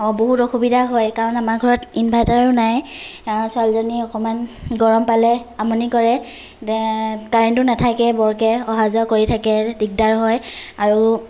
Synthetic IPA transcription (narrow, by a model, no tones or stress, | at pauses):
boɦutɔxubidaɦɔjkaɹɔnamaɹɡʱɔɹɔtinbʱajtaɹunaj | salzɔniɔkɔmanɡɔɹɔmpalɛamɔnikɔɹɛ | kaɹintʊnatʰakɛbɔɹkɛɔɦazɔkoɹitʰakɛdik̚daɹɦɔjaɹu